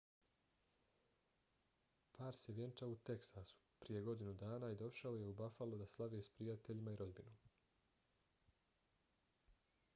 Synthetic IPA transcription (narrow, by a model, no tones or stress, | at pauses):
pʰaːɾse̞ʋje̞nt͡ʃaut̪e̞ksasu̥pɾije̞ɡo̞d̪inud̪aːnaid̪o̞ʃao̞je̞ubafalˠud̪aslˠaʋeːspɾijat̪e̞ʎimaiɾʔo̞d̪binu